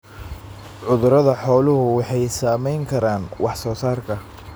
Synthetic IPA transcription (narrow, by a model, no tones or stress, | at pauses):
ʕʊðʊɾɐðɐħɔːlʊhʊwɑħɑjsaːmɛjŋkʰɐɾaːnwʔɑħsɔːsaːrkʰɐ